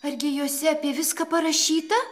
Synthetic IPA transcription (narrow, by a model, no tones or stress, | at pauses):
ɐrʲɡʲɪjoːsʲɛɐpʲiɛʋʲɪskɐpɐɾɐʃʲiːt̪ɐ